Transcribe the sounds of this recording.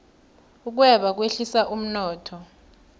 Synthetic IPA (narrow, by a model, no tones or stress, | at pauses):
uk̬wɛɓak̬weɬisaʔum̩nɔːtʰɔ